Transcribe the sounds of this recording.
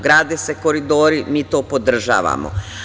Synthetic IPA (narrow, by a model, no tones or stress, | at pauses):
ɡɾaːd̪eseko̞ɾid̪oːɾimiːt̪oːpod̪r̩ʒa̰ːʋa̰mo̰